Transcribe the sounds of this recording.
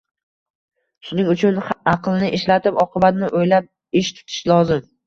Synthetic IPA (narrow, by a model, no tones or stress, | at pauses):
ʃʊnɪŋʊt͡ʃʰʊnɑqlˠnɪʔɪʃlat̪ʰɪpɒqʰɨbat̪nɪʔojlap̚ | ɪʃt̪ʰʊ̥t̪ʰɪ̥ʃlˠɒzɪm